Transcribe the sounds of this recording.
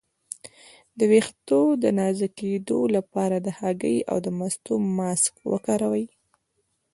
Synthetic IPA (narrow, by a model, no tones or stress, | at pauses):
d̪əwext̪od̪ənɑzaked̪olapɑɾad̪əhaɡəja̰wd̪əmast̪omɑskwə̰kɑɾawəj